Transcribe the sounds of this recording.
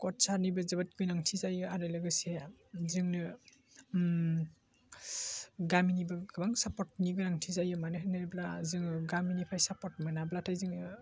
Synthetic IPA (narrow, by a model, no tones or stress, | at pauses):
kɔtsanibɯzabat̚kʰujnaŋtʰizajɯaɾɯlɯɡɯsezɯŋnɯ | ɡaminibɯɡɯbaŋsapɔt̚niɡɯnaŋtʰizajɯmanɯɦɯnɯɾiblazɯŋɯɡaminipʰajsapɔɾt̚mɯnablatʰajzɯŋnɯ